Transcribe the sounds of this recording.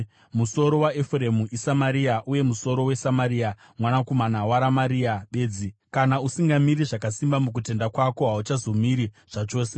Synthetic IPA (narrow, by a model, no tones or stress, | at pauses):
muso̞ɾo̞waefremuʔisamaɾiaʔuje̞muso̞ɾo̞we̞samaɾiːa | mwanakomanawaɾamaɾiaɓe̞ːd͡zikanausiŋɡamiɾiʐakasimbamuk̬ute̞ndakwako̞ɦaut͡ʃazo̞miɾi | ʐ̥at͡ʃo̞ːse̞